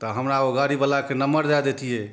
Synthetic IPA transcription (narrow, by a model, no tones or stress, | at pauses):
t̪ɔɦəmɾaoɡaɾibəlakenəməɾd̪ad̪et̪ʰijɛ